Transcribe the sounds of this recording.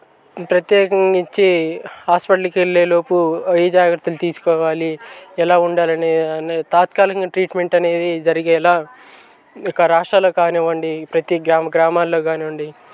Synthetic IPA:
pɾɐt̪jɛːkɐŋɡit͡ʃːihaːspɐʈɐlikelːeːlo̞ːpuɐjd͡ʒaːɡɾɐt̪ːɐlut̪iːsu̥kɔːʋaːliɛlaːuɳɖaːlɐneːnt̪aːt̪kaːlɐkɐŋɡaʈɾiːʈme̞ɳʈɐne̞ːd̪id͡ʒɐɾiɡeːɛlaː | ɔkɐɾaːʂʈɾaːloːkaːneʋɐɳɖipɾɐt̪iɡɾaːmɐɡɾaːmaːlːo̞ːkaːniʋɐɳɖi

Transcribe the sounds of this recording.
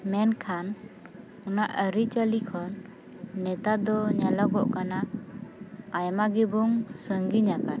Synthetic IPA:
mɛnkʰan | ɔna̰ʔəɾit͡ʃəlikʰɔnː | ɛt̪ad̪ɔɲalɔɡɔʔkana | ajmaɡibuŋsəŋɡiɲakan

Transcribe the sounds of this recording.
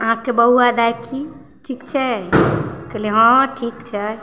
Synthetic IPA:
əɦãkebəɦuad̪ajki | ʈʰikt͡ʃʰɛ | kɛleɦə̃ʈʰikt͡ʃʰɛ

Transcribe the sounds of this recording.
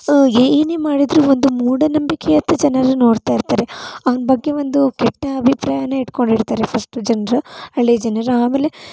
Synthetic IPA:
eːneːmaːɽid̪ɾuːʋond̪umuːɽɐnɐmbikejɐt̪ːɐd͡ʒɐnɐɾɐno̞ːɽt̪aːjiɾt̪aːɾe̞ɐʋɐnɐbɐɡːe̞ʋond̪ukɛʈːɐɐbʱipɾaːjɐneiʈko̞ɳɖiɽt̪aːɾepʰɐsʈud͡ʒɐnɐɾuɐɭːed͡ʒɐnɐɾaːmeːle̞

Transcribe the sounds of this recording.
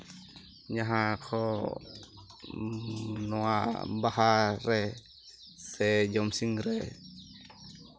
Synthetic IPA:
ɲaɦakʰɔ | nɔwabaɦaɾɛ | sɛd͡ʒɔmsiŋɾɛ

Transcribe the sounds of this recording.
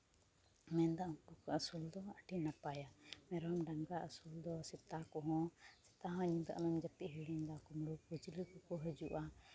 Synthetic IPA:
mɛnd̪aʔɔ̃kukɔəsuld̪ɔaʈʰinapajamɛɾmɖaŋɡaʔəsuld̪ɔsɛt̪akɔɦɔ̃sɛ̥t̪aɦɔ̃ɲĩb̪a̰ʔmɛmd͡ʒət̪iʔɦiɽiɲd̪akɔmɾupud͡ʒlikɔkɔɦəd͡ʒuʔa

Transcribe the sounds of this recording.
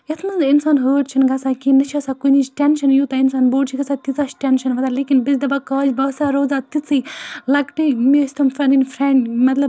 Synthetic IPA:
ɐt̪ʰmɐinsaːnɦəːʈt͡ʃʰinɡɐsaːkinɐt͡ʃʰiɐsakunit͡ʃʈʲɛnʃɐnjuːt̪ainsaːnboːʈt͡ʃʰiɡɐsaːt̪it͡saːt͡ʃʈʲenʃɐnʋɐt̪aːleːkinbisd̪ɐbakaːd͡ʒbɐːsaːɾoːd͡zaːt̪it͡silɐɡʈimist̪ɐmfɐninfɾɛɳɖmɐt̪lɐb

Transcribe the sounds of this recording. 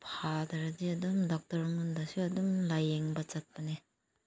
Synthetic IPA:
pʰadɐɾadiɐdumdɔk̚tɐɾŋundasiɐdumlajeŋbɐt͡ʃat̚pɐne

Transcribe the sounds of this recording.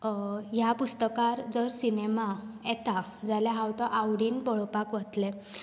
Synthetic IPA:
japust̪əkaɾd͡zəɾsinemaɛt̪a | d͡zaljaɦawt̪ɔʔawɽiːnbɔɭopakʋət̪le

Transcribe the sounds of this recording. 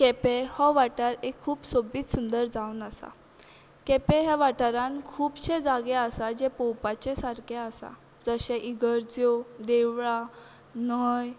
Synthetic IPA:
kepehɔ̃ʋaʈaɾekʰːuːpsobiːt̪sund̪əɾd͡zaunasa̰ | kepeɦɛʋaʈaɾãnkʰuːbɕed͡zaɡeasad͡ʑepɔwpat͡ɕesaɾkʰeasa̰ | d͡zəɕɛʔiɡəɾd͡zod̪eʋɭa | nəj

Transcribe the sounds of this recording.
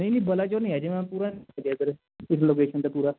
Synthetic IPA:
nə̃ĩniːbəlaːd͡ʒoːnĩːɛːd͡ʒemɛ̃ːpuːɾaːnd͡ʒed̪əɾ | ɪsloːkeːʃənt̪apuːɾaː

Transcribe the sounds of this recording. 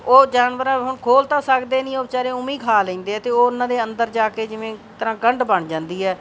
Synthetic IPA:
oːd͡ʒaːnʋəɾãːɦʊɳkʰoːlt̪ãːsəkd̪eːnĩːoːt͡ʃaːɾeːʊmiːkʰaːlẽːnd̪eːɛːt̪eːoːʊnːãːd̪eːənd̪əɾd͡ʒaːkeːd͡ʒɪʋẽːt̪əɾãːɡəɳɖbəɳd͡ʒãːnd̪iːɛː

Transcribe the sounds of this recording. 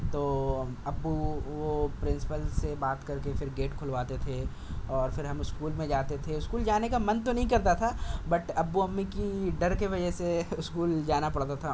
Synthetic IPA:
t̪oːɐbːuʋopɾɪ̃nsɪ̥pəlsebaːt̪kɐɾkefɪɾɡeːʈkʰʊlʋaːt̪et̪ʰe | ɔːɾfɪɾɦɐmʊskuːlmẽd͡ʒaːt̪et̪ʰeʊskuːld͡ʒaːnekamɐnt̪onɐɦĩkɐɾt̪at̪ʰabɐʈɐbːuɐmːikiɖɐɾkeʋɐd͡ʒɛɦseʊskuːld͡ʒaːnapɐɽt̪at̪ʰa

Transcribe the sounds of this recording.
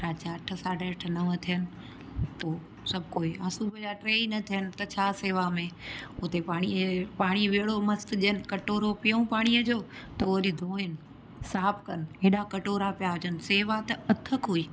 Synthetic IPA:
ɾaːt͡ɕaʈʰəsaːɖəʈʰnɐʋət̪ʰijənɪ̆ | t̪oː | sɐbʱkoːiaːsubʱəd͡ʑaʈɾeːinɐt̪ʰijənɪ̆t̪ɐt͡ɕʰaːseːʋamẽʊt̪epaːɽ̃ipaːɽ̃iʋeːɽomɐst̪ʄɪənɪ̆kɐʈoːɾopɪjũpaːɽ̃iəd͡ʑoːt̪ɐoɗid̪ʱoːɪnɪ | saːpʰkɐneːɗakɐʈoːɾapijaɦʊd͡ʑənɪ̆seːʋat̪ɐɐt̪ʰəkɦuiː

